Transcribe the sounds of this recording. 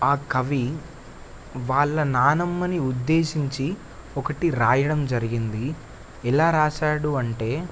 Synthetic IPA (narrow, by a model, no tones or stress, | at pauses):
aːkɐʋi | ʋaːɭːɐnaːnɐmːɐniud̪ːe̞ːʃiɲt͡ʃi | ɔkɐʈiɾaːjɐɽɐmd͡ʒɐɾiɡind̪i | ɛlaːɾaːʃaːɽuɐɳʈe̞ː